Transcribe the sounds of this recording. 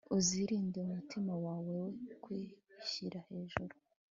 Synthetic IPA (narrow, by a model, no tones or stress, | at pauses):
uziɾiːndiumutimawaːwe̞wekwiçiɾahe̞ːʒuɾu